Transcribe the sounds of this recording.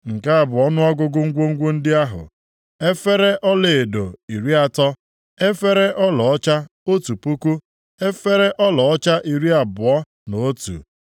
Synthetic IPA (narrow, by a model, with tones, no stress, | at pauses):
ŋ̩˨ka˦a˨bʊ˨ɔ˦nʊ˦a˦ɡʷʊ˦ɡʊ˦ŋ̩˦ɡʷo˦ŋ̩˦ɡʷo˦n̩˦dɪ˦a˦ɦʊ̰˨ | e˦fe˦ɾe˦ʔɔ˦le˨e˨do˨i˨ɾi˦a˦tɔ˦ | e˦fe˦ɾe˦ʔɔ˦lɔ˨ɔ˦t͡ʃa˦o˦tu˨pu˦ku˦ | e˦fe˦ɾe˦ʔɔ˦lɔ˨ɔ˦t͡ʃa˦ʔi˨ɾi˦a˨bʊ˨ɔ˦ | no˨o˦tṵ˨